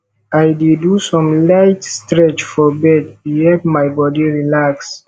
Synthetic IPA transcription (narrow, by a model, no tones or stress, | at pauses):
ajdidusɔ̃mlajtstɹɛt͡ʃfɔbɛd̚ihɛpmajbɔdiɹilaks